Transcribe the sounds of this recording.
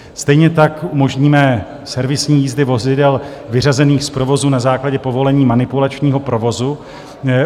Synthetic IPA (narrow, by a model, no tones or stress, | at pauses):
st̪ɛjɲɛt̪akumo̞ʒɲiːmɛ | sɛɾvɪsɲiːjiːzdɪvo̞zɪdɛl | vɪrazɛniːxspɾo̞vo̞zuːnazaːklaɟɛpo̞vo̞lɛɲiːmanɪpulat͡ʃɲiːɦo̞pɾo̞vo̞zu